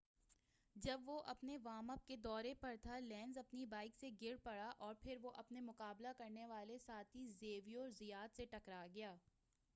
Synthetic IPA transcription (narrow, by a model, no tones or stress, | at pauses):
d͡ʒɐbʋoʔɐpneʋaːmɐp̚ked̪ɔːɾepɐɾt̪ʰalɛ̃ːnzɐpnibaːɪkseɡɪɾpɐɽaʔɔːɾpʰɪɾʋoʔɐpnemʊqaːblakɐɾneʋaːlesaːt̪ʰizeːʋiɔːɾzijaːt̪seʈɐkɾaɡɐjaː